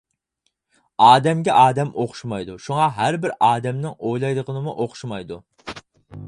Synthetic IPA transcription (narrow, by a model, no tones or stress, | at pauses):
ɑːd̪ɛmɡʲɛʔɑːd̪ɛmʔoχʊ̥ʃmɑjd̪uʃuŋɑɦæɾbɪɾɑːd̪ɛmnɪŋojlˠɑjd̪əʁənɨmuʔoχʊ̥ʃmɑjd̪u